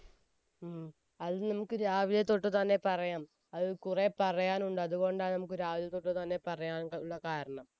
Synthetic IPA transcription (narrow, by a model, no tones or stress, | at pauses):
ɐðnɐmukːɨɾaːʋilɐt̪oʈːɨt̪ɐnːe̞pɐrɐjaːm | ɐðɨkurepɐrɐjaːnuɳɖɨɐðuɣo̞ːɳɖaːnɐmukːɨɾaːʋilɐt̪ːoʈːɨt̪ɐnːe̞pɐrɐjaːnuɭːɐkaːɾɐɳɐm